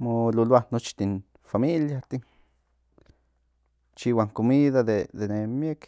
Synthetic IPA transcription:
mololoahnot͡ʃt̪in | familjat̪in | t͡ʃiwaŋkomiðaðed̪enemjek

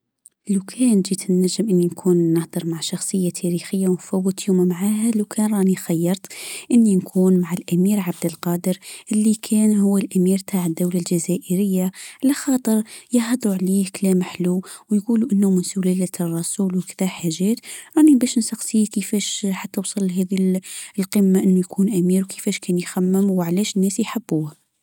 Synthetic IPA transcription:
lakʰɛːnʒiːt̪ɪnːæʒɪmʔɪnːinkʰuːnːəhd̪ɨɾˤmaʕʃɑxsˤəjːat̪ʰæɾixəjːawnfæwːət̪juːmmaʕaːhælawkʰɛːnɾˤɑːnixajːɑɾˤt̪ʔɪnːinkʰuːnmaʕalʔæmiːɾʕab̚d̪əlqɑːd̪əɾʔɪlːikʰɛːnɦʊwːalʔæmiːɾt̪ʰaːʕəd̪ːawlalʒazæːʔəɾɪjːaʕalæxɑːt̪ˤəɾjəhɑd̪ˤɾuʕliːhklɛːmħluwjɡuːluʔənːumʊnsʊlælæt̪rˤːɑsuːlwkd̪æħaʒɛːt̪ɾˤɑːʔnibæʃnsɑxsikəfɛːʃħat̪ːæwsˤɑlːɦɛːðilqəmːaʔənːujkʰuːnʔæmiːɾwkʰə̥fɛːʃkʰɛːnjxæmːɪmwʕlɛːʃənːæːsjħabːuːh

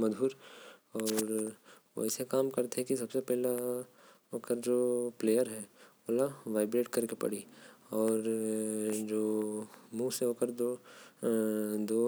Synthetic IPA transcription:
mɐd̪ʱuːɾɔːɾʋo̰ɛːsekaːmkɐɾt̪eɦɛ̃kisɐbsepɛɦla | oːkəɾd͡ʒoːpleːjəɾɦɛːoːlaʋaːɪbɾeːʈkɐɾkepɐ̰ɽiɔːɾ | d͡ʒoːmuːseɦoːkəɾd̪o | d̪oː

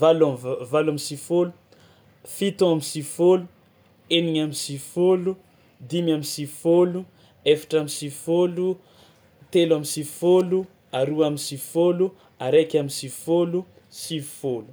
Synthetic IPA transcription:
valavalamisifolu | fit̪õamisifolu | eniɲamisifolu | d̪imamisifolu | efḁʈ͡ʂamisifolu | t̪elamisifolu | aɾuamisifolu | aɾekʲamisifolu | sifolu̥

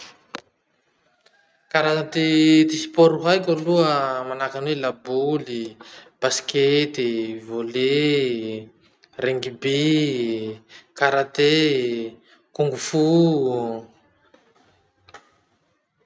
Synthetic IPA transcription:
kaɾaat̪et̪isi̥pɔɾuɦajkʲaluəmanakanwelabulib̥asket̪ivole | reŋɡibe | kaɾat̪e | kuŋɡufu

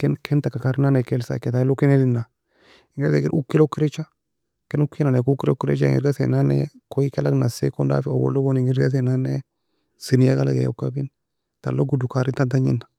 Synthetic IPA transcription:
kɛnkʰɛnt̪akakaɾnanekelsa̰kːetailokinelinːa | iŋɡeɾɡekinʔukːilokːiɾet͡ʃːa | kenukːnanekukːilokːiɾḛt͡ʃaḭŋɡḭɾɡasḛnanḛkoikelaknasḛkonda̰fiobo̰lːoboniŋɡiɾɡas̬enane | sinijakalaɡḛjo̰kːabin | t̪a̰lːoɡudukaɾit̪ant̪aɲḭnḁ

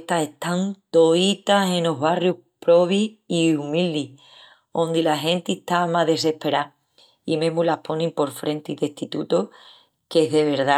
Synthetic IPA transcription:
t̪ase̞ht̪ant̪o̞it̪ase̞no̞ɦβarjuhpɾo̞βiiumild̪i | õ̞nd̪ilaɦẽ̞nt̪iht̪amaðe̞se̞hpe̞ɾa | imẽɦmulapʰo̞nẽmpo̞ɾfɾe̞nt̪iðe̞ht̪it̪ut̪o | keɦðe̞βe̞ɾða

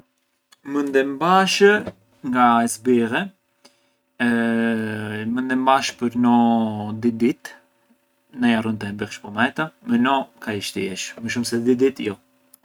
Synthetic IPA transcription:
mənd̪ɛmbaʃə | ŋɡaɛsbiʁɛ | mənd̪ɛmbaʃpəɾnɔd̪id̪it̪ | najarunt̪əɛbɛχʃpɔmɛt̪amɛnɔkaiʃt̪ɛɛʃməʃ̬umsɛd̪id̪it̪jɔ

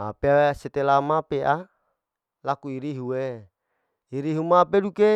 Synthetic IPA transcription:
a̰peaset̪elamapeʔa | lakuiɾiɦuwe | iɾiɦumapeduke

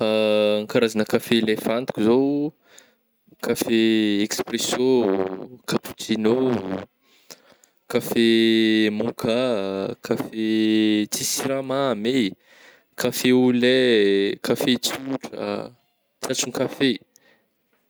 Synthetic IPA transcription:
aŋkaɾazanəkafelefant̪i̥kuzow | kafeekspresjõ | kaput̪ino | kafemukakʰafet͡sisiɾamame | kʰafeulɛkʰafet͡suʈ͡ʂa̰ | t͡sat͡suŋkafe

